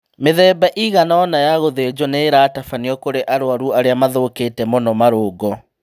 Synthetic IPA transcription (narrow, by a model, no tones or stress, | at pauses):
meðɛːbaʔiɣanaɔnajaɣoðed͡ʒɔneɾaːtafaniɔkoɾeʔaɾoaɾuaɾeamaðoketɛmonɔmaɾoːɡɔ